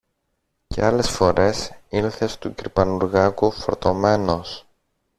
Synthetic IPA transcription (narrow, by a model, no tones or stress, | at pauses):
ce̞̰ɐle̞sfo̞ɾʔe̞silθe̞st̪uciɾpɐnuɾɣɐkufoɾt̪o̞me̞no̞s